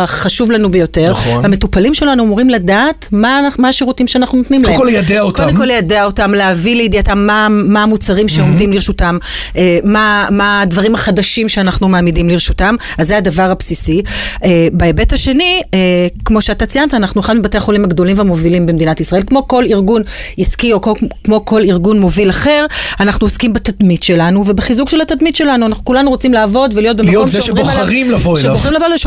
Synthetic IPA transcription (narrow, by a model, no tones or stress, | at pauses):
χaʃuvlanubejo̞te̞ʁame̞tupalimʃe̞lanuamuʁimladaːtmamaaʃiʁutimʃeanaχnunot̪nimlekoljad̪eaotkodekoljadeao̞tamleavileidiatamːaːaːmut͡saʁimʃeo̞md̪imliʁʃutamemamadvaʁimaχadaʃimʃeanaχnumeaːmidimliʁʃutam | azːead̪avaʁapsisiebaebe̞thaʃe̞niekmo̞ʃeat̪at͡sijantaːnaχnueχadmebate̞jaχo̞limhaɡdo̞limveamo̞vilimbemed̪inatisʁae̞lkmo̞ko̞liʁɡuniskio̞kokmoko̞liʁɡunmo̞vilaχe̞ʁanaχnuoskimbat̪admitʃe̞lanuvebeχizukʃelhat̪ad̪mitʃe̞lanuanaχnukulanuʁot͡simlaːvo̞dvelijo̞t̚bemaomzʃbʁoʁimlavoʃeboχʁimlavolʃu